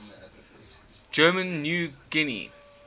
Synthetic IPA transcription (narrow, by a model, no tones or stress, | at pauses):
d͡ʒɜːmə̃nːjuːɡ̥ɪnḭ